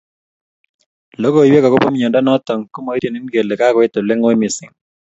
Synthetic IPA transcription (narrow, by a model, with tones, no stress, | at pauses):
lo˦ko˨i˨we˦kɔ˨ko˦pɔ˦m˦ɲɔ˨nda˦nɔ˦tɔ˨ŋko˦mo˨i˦ɾe˨ni˦nke˨le˨ka˦kwe˦tʊ˨lɪ˦ŋo˦mɪ˨sɪ˨ŋ